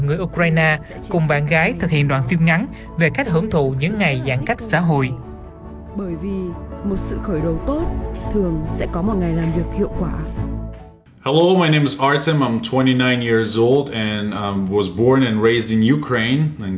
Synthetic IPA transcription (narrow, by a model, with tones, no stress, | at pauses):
ŋɨ˨˩əjʔu˧kɾwaː˧jnaː˧ | kʊ˨˩ŋ͡mɓaː˧˩nɣaː˨˦jt̪ʰɨ˨˩k̚hḭ˧˨ənɗwaː˧˨nfi˧mŋa˨˦n | ve˨˩ka˦˥k̚ɦəː˨˦ŋt̪ʰṵ˧˩˨ɲɨ̰˧˥ŋːa˨˩jzaː˧˩ŋka˦˥jk̚sa̰ː˧˥ɦo̰˧˨jʔ | ɓəː˧˩jvi˨˩mo˨˩t̚sɨ̰˧˨xəː˧˩jɗə˨˩wt̪o˦˥t̚t̪ʰɨ˨˩əŋsɛ̰˧˥kɔ˨˦mɔ˨˩t̚ŋa˨˩jlaː˨˩mvi˨˩ək̚hḭ˧˨əwkwaː˧˩ | hɛloʊmaɪnẽɪ̃mɨzɑɹtɨ̃mãɪ̃mtʰw̥ɛ̃ɾ̃inãɪ̃njiɹzoʊlˠdɨ̃nwʌzbɔɹnɨ̃nɹeɪzdɨ̃njukʰɹ̥ẽɪ̃nɨ̃n